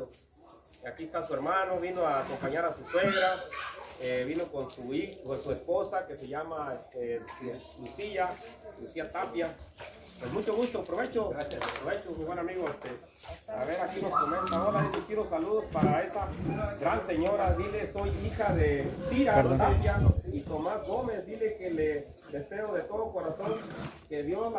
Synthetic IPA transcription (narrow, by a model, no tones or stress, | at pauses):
akiest̪asue̞ɾmanoβinoakompaɲaɾasuswe̞ɣɾa | eβinokonsuixesuespo̞sake̞seʝamaese | lusiʝalusiat̪apja | pwezmut͡ʃoɣust̪opɾoβe̞t͡ʃoɾasjaspɾoβet͡ʃomiβwenamiɣoest̪e | paɾaβeɾakinoskomenosaoɾaðisot͡ʃiðosaluðospaɾae̞saɡɾanse̞ɲoɾaðileso̞jixaðesiɾaot̪apjait̪o̞masɣo̞me̞sd̪ilekele | ðeseoðe̞t̪oðokoɾasoŋkeðjoan